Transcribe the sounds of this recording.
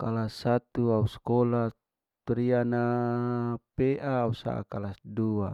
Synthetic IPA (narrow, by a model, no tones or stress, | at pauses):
kalasat̪uauskola | t̪ɾiana | peʔaːusa̰ʔa̰kalasdua